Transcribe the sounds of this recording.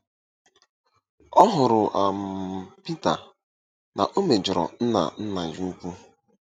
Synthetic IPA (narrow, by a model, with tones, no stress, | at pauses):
ɔ˦ɦʊ˨ɾʊ˨ʔa˨m̩˨pi˦ta̰˨ | na̰˨ʔo˦me˨d͡ʒɪ˨ɾɔ̰˨n̩˦na̰˨n̩˦na˨ju˦u˦kʷu˦